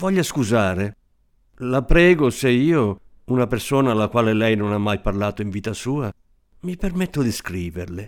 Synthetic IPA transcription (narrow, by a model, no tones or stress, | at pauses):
vɔʎːaskuzaːɾe | lapɾɛːɡoseiːo | unapersoːnaːlːakwaːlelɛjnonamːajparlaːt̪oiɱviːt̪asuːa | mipermɛt̪ːod̪iskɾiːverlɪ